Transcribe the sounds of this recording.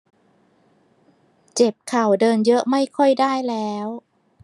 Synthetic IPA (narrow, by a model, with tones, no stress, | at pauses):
t͡ɕe˨˩p̚kʰa˨˩wdɤː˧njɤ˦˥ʔma˥˩jkʰɔ˥˩jdaː˥˩jlɛː˦˥w